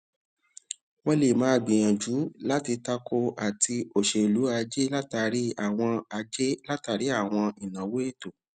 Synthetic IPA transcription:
wɔ˦le˨mãː˨˦˧ɡ͡bĩ˨j̃ã˨d͡ʒu˨˦la˦ti˧ta˧kʰo˧a˨tʰi˧o˨ʃe˨lu˨˦a˧d͡ʒe˦la˦ta˧ɾi˦a˦˨w̃ɔ̃˧a˧d͡ʒe˦la˦ta˧ɾi˨˦a˦˨w̃ɔ̃˧i˨nã˨we˦e˦˨to˨

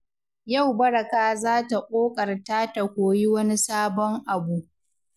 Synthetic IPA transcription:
ja˦˨wbɐ˦ɽa˨kaː˦zaː˦ta˨kʷʼoː˦kʼɐ˨rtaː˦ta˨kʷoː˨ji˦wɐ˦ni˦saː˦bɔ˦ŋʔa˨bu˦ʔ

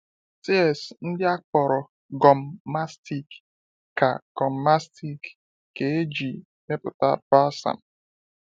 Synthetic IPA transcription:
ti˦ɛ˨sn̩˦dɪ˦a˦k͡pɔ˨ɾɔ˨ | ɡɔ˨m̩˨ma˦sti˦kː | a̰˨ɡ̥ɔ˨m̩˨ma˦sti˦k | ke˨e˦d͡ʒi˨ | ne˦pʊ˨ta̰˦bɾa˦sa̰˨m̩˨

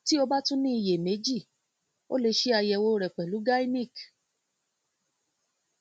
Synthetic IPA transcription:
ti˦o˧ba˦tũ˦nĩ˦i˧˨je˨me˨˦d͡ʒi˦˨ | o̰˦le˧ʃe˦a˧jɛ˧wo˧ɾɛ˨k͡pɛ˨lu˨˦ɡa˦i˦nĩ˦˨k

